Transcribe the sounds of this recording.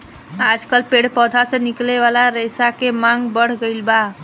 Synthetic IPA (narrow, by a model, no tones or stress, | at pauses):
ad͡ʒkəlpeɽpəd̪ʱasə̃nikleβalaɾesakemaŋɡbəɽ̤ɡəjlba